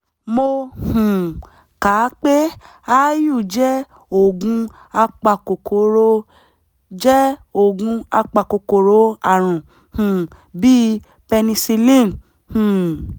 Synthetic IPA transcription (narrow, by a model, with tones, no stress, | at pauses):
mo˧hũ˨ | ka˨˦k͡pe˦ | a˦ju˦˨d͡ʒɛ˦ | o˦˨ɡũ˧ | a˧k͡pa˧˨ko˨ko˨˦ɾo˧ | d͡ʒɛ˦o˦˨ɡũ˧a˧k͡pa˧˨ko˨ko˨ɾo˨˦a˦˨ɾ̃ũ˨ | hũ˨ | bi˦ | pe˧nĩ˧si˧lĩ˦˨n | hũ˨